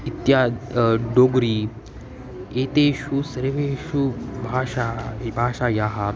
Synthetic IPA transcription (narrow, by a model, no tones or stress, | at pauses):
it̪jaɖoɡɾi | et̪eɕusəɾʋeɕubʱaɕabʱaːʂajaɦa